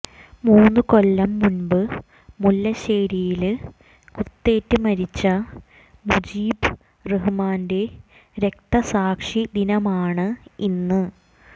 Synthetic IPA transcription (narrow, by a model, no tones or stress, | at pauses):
muːnːɨko̞lːɐmːunbɨ | mulːɐɕeːɾijil | kut̪ːe̞ːtːɨmɐɾit͡ɕːɐ | mud͡ʑiːb | reɦmaːnde̞ | ɾe̞k̚t̪ɐsaːkʂid̪inɐmaːɳɨinːɨ